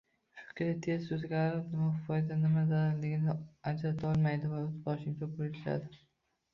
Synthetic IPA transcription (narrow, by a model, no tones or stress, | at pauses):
ʃʊ̥kʲʰɪat̪ʰe̞zsozɡʲaɾɪpnɪmafɒjd̪anɪmad̪alɪɡʲɪnɪad͡ʒɾat̪ʰɒlˠmajd̪ɪvaʊt̪bɒʃɪmt͡ʃʰabolɪʃɪʃa̰d̪ɪ